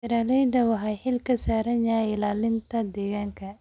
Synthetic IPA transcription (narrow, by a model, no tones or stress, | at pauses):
ɪɾaːlɛjd̪ɐwɐɦajħɪlkʰɐsaːɾɐɲjaːɪlaːlɪnt̪ʰɐd̪ɛːɣaːŋkʰɐ